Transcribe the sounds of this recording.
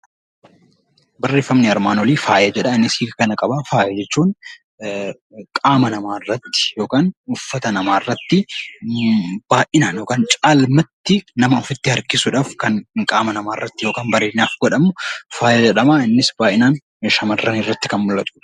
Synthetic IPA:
bɐrːe̞ːfːɐmnɪɐɾmaːnɔliːfaːjɐd͡ʒɛᶑɐɪnːɪshiːɡɐkɐnɐkʼɐbaːfaːjɐd͡ʒɛt͡ʃːuːn | kʼaːmɐnɐmaːɪrːɐt̪ːɪ̥jo̞ːkaːnʊfːɐt̪ɐnɐmaːɪrːɐt̪ːɪ | b̥aːʔɪnaːnjoːkaːnt͡ʃʼaːlmɐt̪ːɪnɐmɐʊfɪt̪ːɪhɐɾkɪsʊᶑaːfkɐnɪŋkʼaːmɐnɐmaːrːɐt̪ːɪjo̞ːkaːnbɐɾeːnnaːfɡɔᶑɐmːʊfaːjɐd͡ʒɛᶑɐmaːɪnːɪsb̥aːʔɪnaːn | ʃɐmɐrːɐnɪrːɐt̪ːɪ̥kɐnmʊlːɐt̪ʼʊᶑ

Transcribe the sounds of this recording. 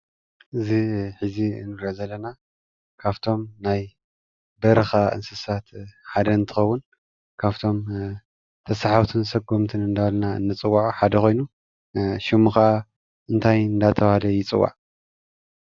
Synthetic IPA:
ʔɨziħɨzḭnːɨɡozɐlːɐna | kʰaβt̪ʰo̞mnaj | bɐɾɨxaʔɨ̰nsɨsat̪ħad̪ɐɨnt̪ʰɨ̥xɐwːʊn | kʰaβt̪ʰo̞m | t̪ʰɐsaħawt̪ʰɨnsɐɡumt̪ʰɨnɨnd̪alnaɨ̰nːɨt͡sʼɨwːaʕħad̪ɐko̞jnu | ʃɪmuxa | ʔɨnt̪ʰajɨnd̪at̪ʰɐwhad̪ɐjɪt͡sʼɨ̰wːa̰ʕ

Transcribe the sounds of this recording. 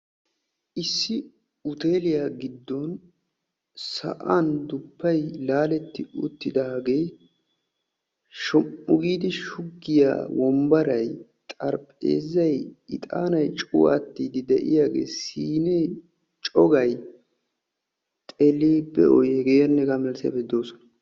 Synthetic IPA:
ʔɪsːɪ | ʊt̪e̞ːlɪjaɡɪd̪ːɔn | sɐ̰ʔand̪ʊpːɐjlaːlɛt̪ːɪʊ̰t̪ːɪd̪aːɡej | ʃɔmːʊɡiːd̪ɪʃʊɡːɪja̰ːwʔɔmbɐɾɐjt̪ʼɐɾpʼḛːzːɐjɪt̪ʼa̰ːnɐjt͡ʃʼʊwa̰ːt̪ːiːd̪ɪd̪ɛʔɪ̰jaːɡḛːsiːne | t͡ʃʼɔɡɐj | t̪ʼelːeːbɛ̰ɔjɛɡeːjɐnːɛɡamɛlsɪja̰bɛd̪o̞ːsɔnɐ̥

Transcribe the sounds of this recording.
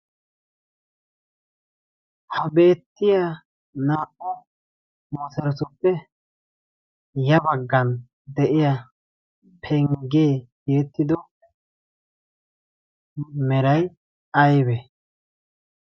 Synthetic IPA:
hɐbe̞ːt̪ːɪja | naːʔɔ | mɔsɐɾɔsʊpːɛ | jɐbɐɡːɐn | d̪ɛʔɪja | pʰɛŋɡeːjeːt̪ːɪd̪ɔ | mɛɾɐj | ɐjbɛ

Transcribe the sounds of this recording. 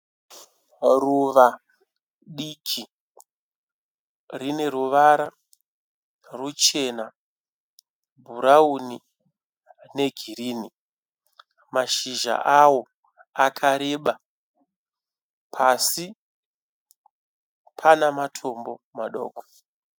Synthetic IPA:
ruʋa | ɗikʰi | rine̞ɾuʋaɾa | rut͡ʃe̞na | bʱuɾauni | ne̞ɡʱiriːni | maʃiʒa̰ʔawo̞ | akʰaɾeɓa | pʰasi | pʰanamatʰo̞mbo̞maɗo̞̰ːko̥

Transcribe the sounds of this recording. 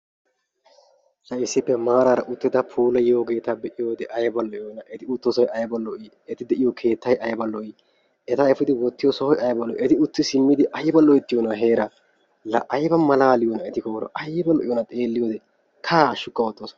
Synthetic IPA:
lɐɪsːɪpːɛmaːɾaːɾɐʔʊt̪ːɪd̪ɐpʰuːlɐjjoːɡe̞ːt̪ɐbɛʔɪjoːd̪ɛʔɐjbɐlːɔʔjoːnɐʔɛt̪ɪʊt̪ːosɔjʔɐjbɐlːɔʔɪ | ɛt̪ɪd̪ɛʔɪjɔkʰe̞ːt̪ːɐjʔɐjbɐlːɔɪ | ɛt̪ɐɛfɪd̪ɪwɔt̪ːɪjɔsɔhɔjɐjbɐlːɔʔɛt̪ɪʊt̪ːɪsɪmːɪd̪ɪʔɐjbɐlːɔɪt̪ːɪjoːnɐɦe̞ːɾɐ | lɐʔɐjbɐmɐlaːlɪjoːnɐɛt̪ɪkoːɾɔ̰ʔɐjbɐlːɔʔɪjɔnɐt̪ʼeːlːɪjoːd̪ɛ | kʰaːʃːʊkʼːɐwɔt̪ʼːoːsɐ̥

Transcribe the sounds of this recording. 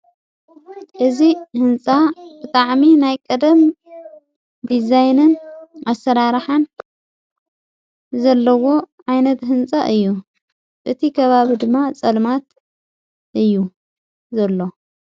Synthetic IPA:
ʔɨzihɨnt͡sʼab̥ɨt̪ʼaʕminajkʼɐd̪ɐm | d̪izajnɨnʔasɐɾaɾħan | zɐlːɐwo̞ʕajnɐt̪ɦɨnt͡sʼaʔɨjːu | ʔɨt̪ʰikʰɐβaβid̪ɨmːat͡sʼɐlmat̪ | ʔɨjːu | zɐlːo̞

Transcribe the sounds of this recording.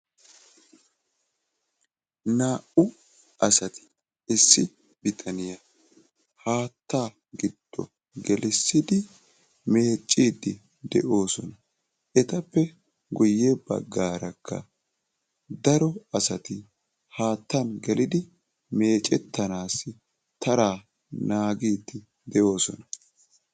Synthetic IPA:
naːʔʊ | ʔɐsɐt̪ɪ̥ | ɪsːɪ | bɪt̪ʰɐnɪjɐ | haːt̪ːaː | ɡɪd̪̥ːɔ̰ | ɡɛlɪsːɪd̪ɪ | me̞ːt͡ʃʼːiːd̪ːɪ | d̪ɛʔo̞ːsɔnɐ | ʔɛt̪ɐpːɛ | ɡʊjːebɐ̰ɡːaːɾɐkʰːɐ̰ | d̪ɐɾɔɐsɐt̪ɪ | haːt̪ːɐnɡɛlɪd̪ɪ | me̞ːt͡ʃʼːɛt̪ːɐnaːsːɪ | t̪ɐɾaː | naːɡiːd̪ːɪ | d̪ɛʔo̞ːsɔnɐ

